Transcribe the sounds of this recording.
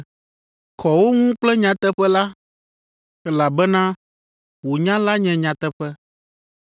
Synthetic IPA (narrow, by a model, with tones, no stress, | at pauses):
kʰɔ˨wo˦ŋũ˦k͡plɛ˦ɲã˨t̪ɛ˦ɸɛ˦la˦ | ɛ˦la˨bɛ˦nã˦ | wo˨ɲã˦la˦ɲɛ̃˨ɲã˨t̪ɛ˦ɸɛ˦